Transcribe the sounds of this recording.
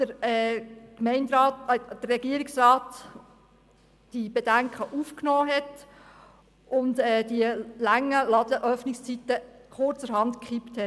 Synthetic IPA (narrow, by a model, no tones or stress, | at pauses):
d̥əɾɛːkmɛɪndɾɑːtd̥əɾːɛɡiəɾiksrɑːt | d̥ib̥edæŋkχəʔuːfknɔːɦɛt | ʔʊndɛːd̥iəlæŋːəlɑdəʔœfnɪkst͡sit̪ə | χʊrt͡səɾɦɑntkχipthɛ